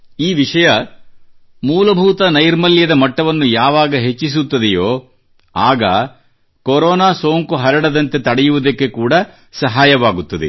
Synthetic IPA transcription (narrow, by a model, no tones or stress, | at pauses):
iːʋiʂɐjɐ | muːlɐbʱuːt̪ɐnɐjɾmɐljɐd̪ɐmɐʈːɐʋɐnːujaːʋaːɡɐɦet͡ʃːis̬ut̪ːɐd̪ɛjoː | aːɡɐ | koɾɔːnaːsoːŋkuɦɐɾɐɽɐd̪ɐnt̪e̞t̪ɐɽɛjuʋud̪ɐkːe̞kuːɽɐ | sɐɦaːjɐʋaːɡut̪ːɐd̪e